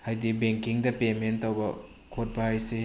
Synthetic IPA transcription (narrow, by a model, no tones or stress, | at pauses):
hajdibeŋkiŋdɐpementːɐwbɐ̰ | kʰot̚bɐhajse